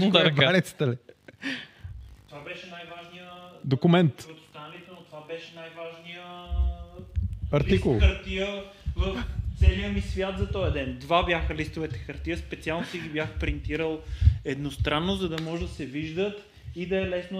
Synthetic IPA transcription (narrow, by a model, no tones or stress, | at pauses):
balit̪sə̥t̪əli | t̪ovabɛʃɛnajvaʒnijəd̪okʊmɛnt̪ɾot̪o̥st̪anɐlit̪ɛnot̪ovabɛʃɛnajvaʒnijə | ɐɾtliikʊlˠxəɾt̪ijə | vəft̪sɛlijəmisvʲjat̪zɐt̪ɔjɐd̪ɛnd̪vabjaxəlist̪ovɛt̪ɛ̥xɐɾt̪iəspɛt̪sialˠnosiɡibjaxpɾint̪iɾəlˠɛd̪nost̪ɾanːozɐd̪ɐmɔʒɛd̪ɐsɛviʒd̪ət̪ | id̪ɐɛlɛsno